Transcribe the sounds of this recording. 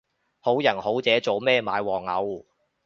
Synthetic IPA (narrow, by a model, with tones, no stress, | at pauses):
ho˨˥wjɐ˨˩nho˨˥wt͡sɛː˨˥t͡so˨wmɛː˥maː˨˧jwɔː˨˩ŋɐ˨˧˥w